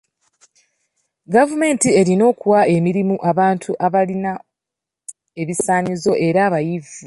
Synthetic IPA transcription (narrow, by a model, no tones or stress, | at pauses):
ɡavume̞ːntie̞ɾino̞ːkuwae̞miɾimuʔaβaːntʰuʔaβalina | e̞βisaːɲizo̞ʔe̞ɾaːβajivu